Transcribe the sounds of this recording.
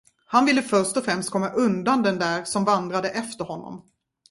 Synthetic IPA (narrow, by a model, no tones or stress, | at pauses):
hanvɪlːəfœɾʂt̪ɔfɾɛmst̪̚kʰɔmːaʔɵnd̪and̪ɛnd̪æːɾsɔmvand̪ɾad̪əʔɛft̪əɾhɔnːɔ̰m